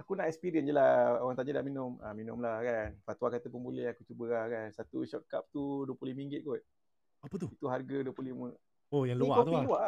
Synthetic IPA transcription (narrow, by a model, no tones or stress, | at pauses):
akunaʔɛkspiɾiənd͡ʒəlahoɣaŋt̪aɲadaminʊma̰minʊmlakanfat̪wakat̪əpunbulɛhakut͡ʃubəlahkansat̪ṵʃɔʔka̰p̚t̪uduəpluliməĩŋɡɪt̪̚ɡot̪̚ | apət̪uit̪uɦarɡaduəplulimə | ojaŋlukaulua